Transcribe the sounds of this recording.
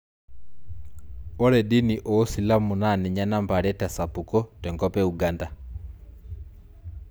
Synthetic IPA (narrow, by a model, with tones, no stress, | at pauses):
ɔ˦ɾɛ˨di˦ni˨ʔɔː˦si˨la˦mu˨na˦˨ni˨ɲa˦na˦mba˨ɾɛta˨sa˨pu˨kɔ˦twɛ˨ŋɡɔpɛ˦uɡanda